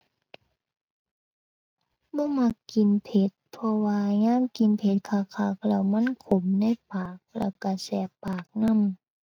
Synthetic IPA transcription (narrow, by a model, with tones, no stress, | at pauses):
bɔː˧˦˨ma˧˩kːi˨npʰe˧˦t̪̚pʰɔ˧waː˧ŋaː˧˥˨mki˨npʰe˧˦t̪̚kʰaː˧˩kʰaː˧˩k̚lɛ˧˩wma˧˥˨nkʰo˨˦mna˧˥˨jpaː˨˩k̚lɛ̰˧˩wka˧˩sɛː˧˩pːaː˨˩k̚na˧˥˨m